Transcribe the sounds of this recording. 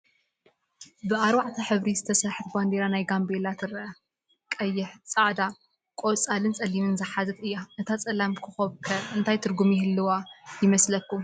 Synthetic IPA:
bɨaɾwaʕt̪ʰɐħɨβɾizɨt̪ʰɐsɐħɨɾband̪eɾanajɡambelat̪ʰɨɾɐʔɐ | kʼɐjːɪħt͡sʼaʕd̪a | kʼot͡sʼalɨnt͡sʼɐlimɨnzɐħazɨt̪ɨjːaʔɨt̪ʰat͡sʼɐlamkʰɨxɐβkʰɐɨnt̪ʰajt̪ʰɨɾɡumjɪhɨlːɨwajɪmɐslɐkːu

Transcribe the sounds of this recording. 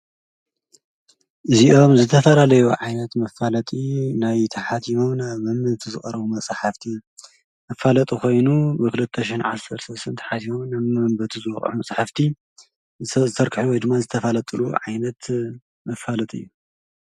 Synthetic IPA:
ʔɨziʔo̞mzɨt̪ʰɐfɐlalɐjuʕajnɐt̪mɐfalɐt̪ʼinajt̪ʰɐħat̪ʰimomnaβmɐmbɨt̪ʰuzɨχʼɐɾɐβumɐt͡sʼħaft̪ʰi | mɐfalɐt̪ʼukʰo̞jnubɨkʰɨlɨt̪ʰːɐʃɪnʕa̰sɐɾsɐlsɨnt̪ʰɐ̥ħat̪ʰimomnaβmɐmbɐt̪ʰuzɨwɐχʼʕumɐsʼħaft̪ʰi | zɨt̪ʰɐɾkʰɨħuwɔjd̪ɨmːazɨt̪ʰɐfɐlɐt̪ʼɨluʕajnɐt̪ | mɐfalɐt̪ʼiɨjːu

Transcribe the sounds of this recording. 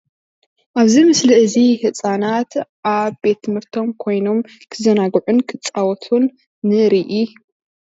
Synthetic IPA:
ʔaβzimɨslɨʔɨzihɨsʼanat̪ʔaβbe̞t̪ʰːɨmhɨɾt̪ʰo̞mkʰo̞jno̞m | kʰɨzɐnaɡʕunkʰɨt͡sʼawɔt̪ʰunː | ɨɾiʔi

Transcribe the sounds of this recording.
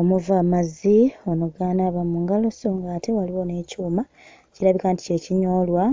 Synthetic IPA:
omuvaːmazio̞nuɡaːnaːβamuŋɡalo̞soŋɡaːtewaliwo̞ne̞cuːma | ciɾaβikaːnti̥ce̞ːciɲo̞ːlwa

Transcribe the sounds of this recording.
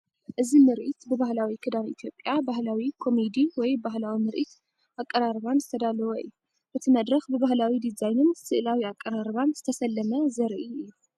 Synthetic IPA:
ʔɨzimɨɾʔit̪bɨβahlawikʰɨd̪aβʔit̪ʰjo̞pʼːjabahlawikʰo̞mid̪iwɔjbaɦlawimɨɾʔḭt̪ | ʔakʼːɐɾaɾβanzɨt̪ʰɐd̪alɐwoɨ̰jːu | ʔɨt̪ʰimɐd̪ɾɐxbɨβahlawid̪izajnɨnsɨʔɨlawiakʼːɐɾaɾβanzɨt̪ʰɐsɐlːɐmɐzɐɾʔiɨjːu

